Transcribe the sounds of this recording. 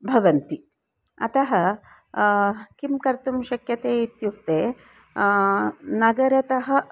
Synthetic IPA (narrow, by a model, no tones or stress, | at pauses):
bʱɐʋɐnt̪i | ɐ̰t̪ɐɦɐ | kimkɐɾt̪umʃɐkjɐt̪eːit̪juk̚t̪eː | nɐɡɐɾɐt̪ɐɦɐ̆